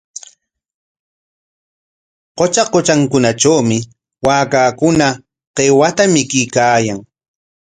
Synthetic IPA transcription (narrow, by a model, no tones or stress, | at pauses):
qot͡ʃaqot͡ʃaŋkʊnaʈ͡ʂawmɪ | waːkaːkʊna | qewat̪amɪkɪjkaːjaŋ